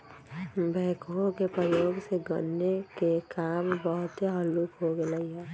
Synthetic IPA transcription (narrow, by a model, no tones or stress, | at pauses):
bʱɛːkokepɾəjoːɡseɡə̰nːekekaːmbəɦʊt̪eɦəlukɦoɡeləɦiɦɛː